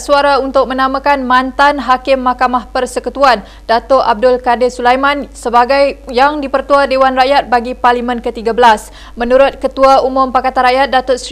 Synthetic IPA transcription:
suaɾaunt̪ʊk̚mə̃nãmãkanmãnt̪anɦakɪmːakamahpərsəkut̪uan | dat̪ʊʔab̚dʊlkadɪsulajmãnsəbaɡajjaŋdipərt̪uadewanraʔjat̪̚baɡiparlimə̃nkət̪iɡabəlas | mə̃nũɾʊt̪̚kət̪uaumʊ̃mpakat̪anɾaʔjat̪̚dat̪ʊs

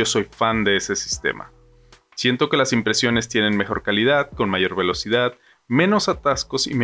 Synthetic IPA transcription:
o̞so̞jfand̪e̞ese̞si̥st̪e̞̰mʔa̰ | sje̞nt̪o̞ke̞lasimpɾe̞sjo̞ne̞st̪je̞ne̞nme̞xo̞̰ɾkaliðaðko̞nmaʝo̞ɾβe̞lo̞sið̞að | mẽ̞no̞sat̪asko̞sḭme

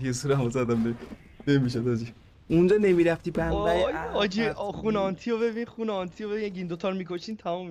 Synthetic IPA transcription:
esuɾæmozæd̪æmne | nemiʃ̬od̪ɒd͡ʒi | und͡ʒɒːne̞miɾæft̪iːbæmɡæjɔd͡ʒixunɔnt̪ʰijoβebinxunɔnt̪ʰiobebinæɡind̪ot̪ʰɔːɾmikʰoʃiːnt̪ʰæmumːi

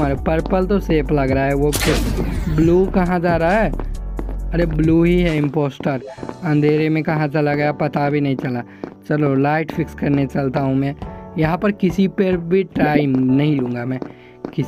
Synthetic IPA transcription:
aːɾepɐɾpəlt̪oseːpʰlɐɡɾaaɦɛʋokbluːkɐɦãd͡ʒaːɾaaɦɛː | ɐɾebluːɦiɦɛɪ̃mpoːsʈəɾɐ̃nd̪ʱeːɾemẽkɐɦãt͡ʃalaɡɐjapɐt̪abʱinɐɦĩt͡ʃɐla | t͡ʃɐlolaːɪʈfɪkskɐɾnet͡ʃɐlt̪aɦũmɛ̃ːjɐɦãpɐɾkɪsipɐɾbʱiʈaːɪmnɐɦĩlũːŋɡamɛ̃ː | kɪ

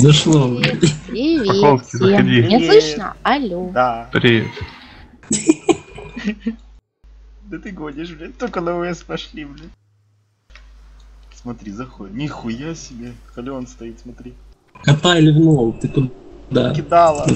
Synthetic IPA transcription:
zɐʂlˠoapʲɪvʲikolˠskʲɪzəeɐd̪ʲinʲaslˠɨʃnə̰ɐlʲud̪apɾʲeɪ̰t | d̪ət̪ɨɡod̪ʲɪʂmnʲet̪okənəʊɛspɐʂlʲiblʲi | smɐt̪ɾʲizɐxojnʲixʊjasʲɪbʲexɐlʲɪonst̪ɐit̪smɐt̪ɾʲi | kɐt̪ajɪlʲɪvnolˠt̪ɨkʊd̪ | d̪akʲɪd̪alˠə

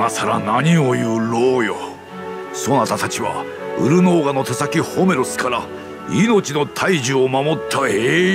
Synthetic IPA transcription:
nasaɾa̰naɲ̟io̞jɯɾoːjo | so̞nat̪at̪at͡ɕiβa̰ | ɯɾɯ̟no̞ːɡano̞t̪esakʲiho̞me̞ɾo̞sɨ̥kaɾa | ino̞t͡ɕino̞t̪ʰaiʑɨomamo̞t̪ʰːaeː

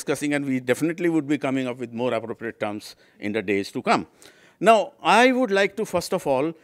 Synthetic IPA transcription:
skʌsɪ̃ŋæ̃ɳɖʋiːɖefɪneʈliʋʊɖ̚biːkʌ̃mɪ̃ŋʌpʋɪd̪moːɾæpɾoːpɾieʈ̚ʈːʌːɾms | ʔɪ̰̃nd̪əɖeːz̥ʈukʌ̃m | naʊaɪʋʊɖlaɪk̚ʈufʌɾsʈɔfɔːl

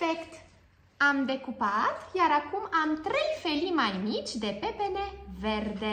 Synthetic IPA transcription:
ekt̪ | amd̪e̞kupat̪jaɾakumamt̪ɾe̞jfe̞limajmit͡ʃʲd̪e̞pe̞pene̞ve̞rd̪e

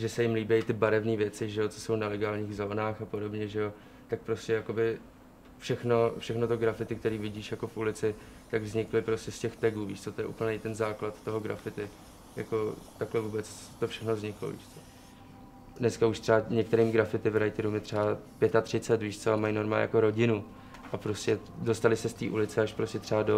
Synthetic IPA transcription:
ʒɛsɛjɪmliːbɛjt̪ɪbaɾɛvniːvjɛt͡sɪʒɛjo̞t͡so̥so̞wnalɛɡaːlɲiːɣzo̞ːnaːxapodo̞bɲɛʒɛjo̞ | t̪ak̚pɾo̞scɛjako̞bɪ | fʃɛxno̞fʃɛxnot̪oɡɾafɪt̪ɪk̚t̪ɛɾiːvɪɟiːʃjako̞fʔulɪt͡sɪ | t̪aɡvzɲɪklɪpɾo̞scɛscɛxt̪ɛɡuːviːʃt͡sot̪o̞jɛ̰ʔṵːpl̩ɲɛjt̪ɛnzaːklat̪ːoɦo̞ɡɾa̰fɪt̪ɪ | ja̰ko̞t̪aklɛvuːbɛt͡st̪ofʃɛxnovzɲɪklo̞̰vḭːʃt͡so̥ | dnɛskauʃt̪r̥ɛaɲɛk̚t̪ɛɾiːmɡɾafɪt̪ɪvɾajt̪ɪɾumɪt̪r̥ɛapjɛt̪at̪r̝̥ɪt͡sɛt̪viːʃt̪sɛbamajnoɾmaja̰ko̞ɾo̞ɟɪnu | ʔapɾo̞scɛ | do̞st̪alɪsɛst̪ḭːʔulɪt͡sɛaʃpɾoscɛt̪r̥ɛado

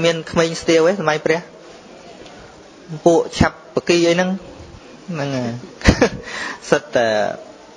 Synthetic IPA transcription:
miənkʰmeːɲst̪iəwesamajjprɛ̆əh | puəʔt͡ɕʰapːəkiːʔəjnɨŋ | nɨŋəː | sət̪̚ːaː

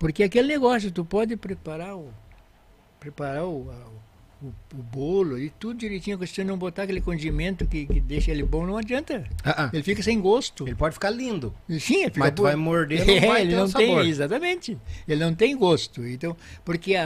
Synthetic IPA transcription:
poɾkɪakelɪneɡɔsjʊt̪upɔd̪ɪpɾepaɾaɾʊ | pɾepaɾaʊa | ʊʊbolʊɪt̪ud̪ʊd͡ʒiɾejt͡ʃĩɲɐkõst͡ʃ̪ĩnɐ̃w̃bot̪aɐkelɪkõnd͡ʒimẽnt̪ʊkɪkɪd̪eʃɐelɪbõnɐ̃w̃ad͡ʒiɐ̃nt̪ɐaaelɪfikɐsẽj̃ɡost̪ʊelɪpɔd͡ʒɪfi̥kaɾlĩnd̪ʊsĩelɪfimɐksɐt̪uvajmoɾd̪ẽvaelɪnɐ̃w̃sẽjõezat̪ɐmẽnt͡ʃ̪ɪelɪnɐ̃w̃t̪ẽj̃ɡost̪ʊẽt̪ɐ̃w̃poɾkea

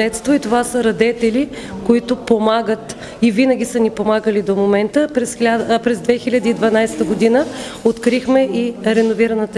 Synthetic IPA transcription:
ɛt̪st̪voit̪ovasəɾɐd̪ɛt̪ɛlikoit̪ʊpomaɡət̪ | ivinəɡʲisənipomaɡəlid̪omomɛnt̪əpɾɛsʲapɾɛzd̪vɛxilʲəd̪iːd̪vɐnajst̪əɡod̪inə | ot̪kɾixmɛiɾɛnoviɾɐnət̪ə

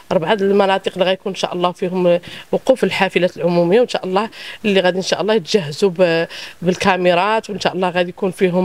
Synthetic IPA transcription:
ʔɑɾˤbʕad̪əlmɑnɑt̪ˤiqliɣæjkunnʃæ̰ʔəlˤːɑfihʊmwʊqufəlħafəlæt̪əlʕʊmuməjːawənʃæʔəlˤːɑlːiɣæd̪inʃæʔəlˤːɑjət̪ʒæhːəzubbəlkæməɾˤɑt̪wənʃæʔəlˤːɑɣæd̪ijkunfiɦʊm

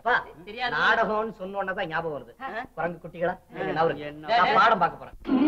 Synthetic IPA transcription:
ɐpːaːɛɾjnaːɽɐɣõːnːɯsɔnːɯɐnːɐðãːɲaːbɐʋonɐðɯkʊɾɐŋɡɯkːʊʈːɪɣɐɭaːɐɛnːaːʋɐɾɯkːnaːpaːɽɐmpaːkɐpːoːɾḛ̃ː

